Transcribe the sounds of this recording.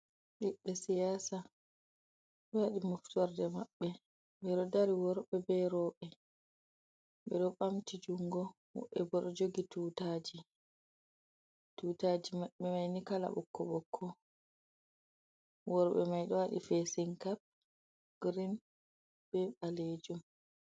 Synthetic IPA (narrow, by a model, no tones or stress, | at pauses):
ɗiɓɛsijaːsa | ɗɔwaɗimuftuwaɾdɛmaɓːɛ | ɓɛɗɔdaɾiwɔɾɓɛbɛɾɔɓɛ | ɓɛɗɔɓamtid͡ʒuŋɡɔ | wɔ̰ɓɛbɔɗɔd͡ʒoɡitutad͡ʒi | tutad͡ʒimaɓɛmajnikala̰ɓɔ̰kːɔɓɔkʰːɔ | wɔɾɓɛ̰majɗɔwaɗḭfesiŋkap̚ | ɡ̥ɾin | b̥ɛɓaled͡ʒum